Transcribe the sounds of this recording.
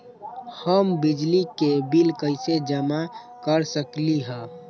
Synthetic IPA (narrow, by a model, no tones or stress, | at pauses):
həmbɪd͡ʒlikebilkəɪsed͡ʒəma | kəɾsəkliɦɛ̃